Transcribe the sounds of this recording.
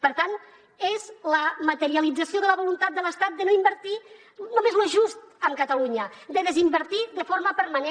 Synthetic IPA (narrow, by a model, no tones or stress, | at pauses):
pəɾt̪an | ezləmət̪əɾiəlid͡zəsioðələβulunt̪at̪̚d̪ələst̪at̪̚d̪ənoimbəɾt̪i | nomezloʒust̪̚əmkət̪əluɲəd̪əðəzimbəɾt̪iðəfoɾməpəɾməne